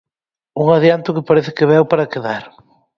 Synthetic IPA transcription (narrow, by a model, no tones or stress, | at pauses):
uŋaðjant̪ʊkɪpaɾɛθɪ̥kɪβɛwpaɾɐkeðaɾ